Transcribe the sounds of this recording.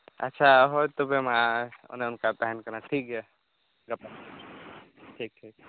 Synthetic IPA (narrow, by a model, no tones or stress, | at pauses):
ɐ̰tːʃʰaɦot̪obʱemaʊ̰nẽʊnkapɛɦnkɐɾnaʈʰiːkɦɛ | ɡɐpa | ʈʰiːk̚ʈʰiːk̚